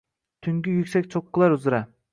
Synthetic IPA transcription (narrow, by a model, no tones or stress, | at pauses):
t̪ʰyŋkʲyjykʲsɛkʲt͡ʃʰoqːɨlˠɑɾuzɾa